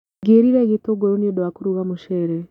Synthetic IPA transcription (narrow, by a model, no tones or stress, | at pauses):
ɡeːɾiɾɛɣetoɡoɾoniodowakoɾuɣamoʃɛːɾɛ